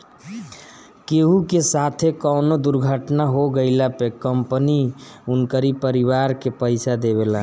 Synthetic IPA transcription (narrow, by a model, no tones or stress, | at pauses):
keɦukesat̪ʰekəwnod̪uɾɡʱəʈnaɦoɡəɪlapekəmpəniunkəɾipəɾibaɾkepəɪsad̪eβela